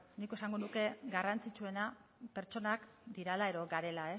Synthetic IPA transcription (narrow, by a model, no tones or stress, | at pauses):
nikoe̞saŋɡo̞nuke̞ɡarant͡sit͡sue̞nape̞ɾt͡ʃo̞nak | d̪iɾalae̞ðo̞ɡaɾe̞lae̞